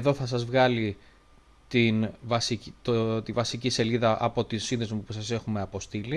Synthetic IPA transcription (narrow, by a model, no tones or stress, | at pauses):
ðo̞θɐsɐzvɣɐli | t̪invɐsict̪ot̪ivɐsicise̞liðɐʔɐpo̞t̪isinðezmupusɐse̞xume̞ɐpost̪ili